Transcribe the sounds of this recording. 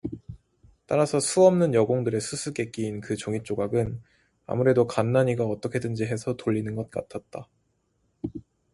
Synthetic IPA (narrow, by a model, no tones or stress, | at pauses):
t͈aɾasʰʌsʰuʌmnɯnjʌɡoŋdɯɾe̞sʰusʰuke̞k͈iːnkɯt͡ɕoŋit͡ɕ͈oɡaɡɯn | a̰muɾe̞dokanːaɲiɡaʌt͈ʌkʰe̞dɯnd͡ʑiɦe̞sʰʌtoʎːinɯnɡʌt̚k͈a̰t̚ʰat̚t͈a